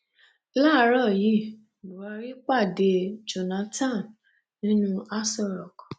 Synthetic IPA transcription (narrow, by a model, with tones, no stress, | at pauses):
la˦˨˦ɾɔ˦˨ji˦˨ | lu˨wa˧ɾi˦k͡pa˦˨de˨d͡ʒo˨nã˨˦tã˦˨n | nĩ˦nũ˦a˦sɔ˦˨ɾɔ˨kɔ˨